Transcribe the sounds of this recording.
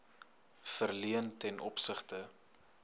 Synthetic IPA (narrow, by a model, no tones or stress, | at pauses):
fərliəntɛnʔɔ̰psəχtə